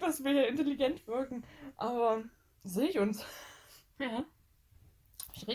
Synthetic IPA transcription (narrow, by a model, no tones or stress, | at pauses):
d̥asv̥iɐhiːɐɪnteliɡɛntv̥ɪɐkŋ̩ʔaːbɐ | zeːɪçʊns | ja | ʃʁe